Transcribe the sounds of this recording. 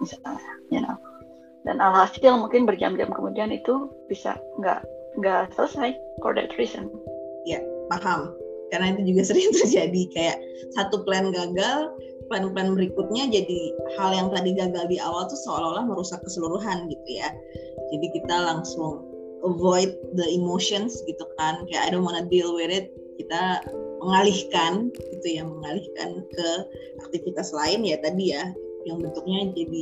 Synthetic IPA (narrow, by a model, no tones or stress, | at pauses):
isat̪lajana̰k | da̰nalaasaŋmuŋkɪnbərd͡ʒa̰md͡ʒa̰mkəmudianit̪ub̥isa̰ŋɡa̰ʔŋɡaʔsələsajko̰rdɛ̰t̪ɾisə̰n | jamaɦamkarənait̪ud͡ʒuɡasəɾɪŋt̪ərd͡ʒadikajaʔ | sat̪uplɛnɡaɡal | plɛnplɛnbəɾikʊt̪̚ɲad͡ʒadihaljaŋt̪adiɡaɡaldiawalt̪usəalaolahməɾusakːəsəluɾuɦanɡit̪uja | d͡ʒadikit̪alaŋsʊŋ | ʔəvɔjt̪̚d̪əimoʃɔnsɡit̪ukankaja̰ʔadomonadɪlweɾɪt̪̚ | kit̪aməŋalihkanɡ̥it̪ujaməŋalihka̰nkə | ʔak̚t̪ifit̪aslaɪnjat̪adija | jaŋbənt̪ʊk̚ɲad͡ʒadi